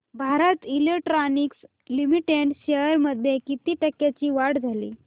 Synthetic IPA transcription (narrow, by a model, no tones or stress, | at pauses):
bʱaɾət̪ilekʈɾaniks | limiʈeɳɖɕeəɾməd̪ʱjekit̪iːʈəkːjat͡ɕiːʋaɽd͡zʱalḭː